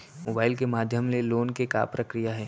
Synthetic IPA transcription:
moːbaːɪlkemaːd̪ʱjəmmeloːnkeka̰ːpɾɐkɾijaɦɛː

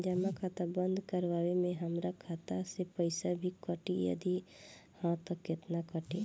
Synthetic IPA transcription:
d͡ʒəmakʰaːt̪abə̃nd̪ʱkəɾʋaːwemẽɦəmɾakʰat̪asepəɪsabʱikəʈijə̰d̪ihãt̪əkːɪt̪nakəʈi

